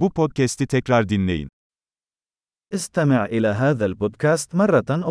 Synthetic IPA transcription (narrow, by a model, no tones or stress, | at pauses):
upoːd̪̚kast̪t̪ɛkɾɑːɾd̪ɪnːḛjn | ʔɪst̪amɪʕʔɪlaːɦaːðalboːd̪kaːst̪mɑrˤːɑʔ